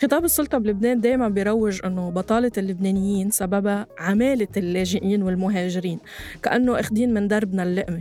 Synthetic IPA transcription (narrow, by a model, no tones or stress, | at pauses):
xɪt̪ˤɑːbɨsˤːʊlt̪ˤɑblʊbneːnd̪eːjmanbɪjɾˤɑwːɪʒʔɪnːobɑt̪ˤɑːlɪlːʊbneːnɪjːiːnsababaʕameːlɪlːeːʒɪʔiːnwɪlmʊɦeːʒɪɾiːn | ka̰ʔanːoʔaxd̪iːnmɪnd̪ɑɾˤbnalːɪʔmi